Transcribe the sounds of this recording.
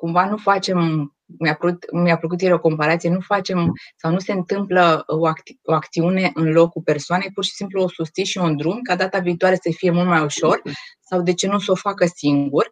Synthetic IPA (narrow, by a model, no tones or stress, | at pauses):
kumvanufat͡ʃe̞m | mjaput̪mijaflək̬ut̪̬jeɾʲoko̞mpaɾat̪sije̞nufat͡ʃe̞msawnuse̞ɨnt̪ɨmpləoakoak̚t̪siune̞ʔɨnlo̞kːupe̞rsoane̞jpurʃi̥simpluo̞sust̪siʃiund̪ɾumkad̪at̪aviːt̪oaɾesəfije̞mult̪majuʃo̞rsawd̪e̞t͡ʃe̞nuso̞fakəsiŋɡur